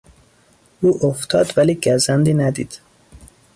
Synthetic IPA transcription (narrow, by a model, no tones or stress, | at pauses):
ʔuːʔoft̪ʰɒːd̪væliːɡæzænd̪iːnæd̪ḭːd̪̥